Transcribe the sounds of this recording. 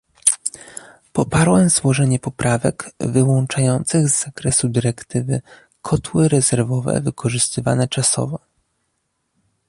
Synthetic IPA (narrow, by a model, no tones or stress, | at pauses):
pɔpaɾwɛmzwɔʐɛɲɛpɔpɾavɛ̰kvɘwɔnt͡ʂajɔnt̪sɘɣzːakɾɛsud̪ɘɾɛkt̪ɘvɘ̰ | kʰɔt̪wɘɾɛzɛɾvɔvɛ̰vɘkʰɔʐɘst̪ɘva̰nɛt͡ʂasɔ̰vɔ